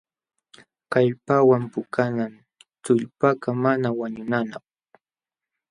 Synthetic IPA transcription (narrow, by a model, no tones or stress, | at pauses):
kaʎpawampʊkanan | t͡sʊʎpakamanawaɲʊnanaχ